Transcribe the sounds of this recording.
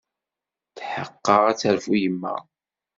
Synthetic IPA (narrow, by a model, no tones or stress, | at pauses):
θħəqːəʁæt͡sːəɾfujəmːæ̰